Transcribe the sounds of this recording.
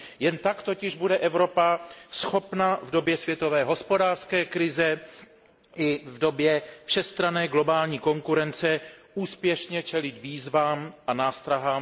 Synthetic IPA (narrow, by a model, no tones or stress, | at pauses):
jɛnt̪akt̪o̞cɪʒbudɛʔɛvɾo̞pasxo̞pnavdo̞bjɛsvjɛt̪o̞vɛːɦo̞spo̞daːrskɛːkɾɪzɛ | ʔɪvdo̞bjɛfʃɛst̪ɾanɛːɡlo̞baːlɲiːko̞ŋkuɾɛnt͡sɛ | uːspjɛʃɲɛt͡ʃɛlɪt̪viːzvaːmʔanaːst̪ɾaɦaːm